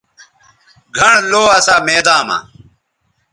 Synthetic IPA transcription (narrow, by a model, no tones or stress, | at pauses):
ɡʱɐɳloːɐsaːmeːd̪aːma̰ː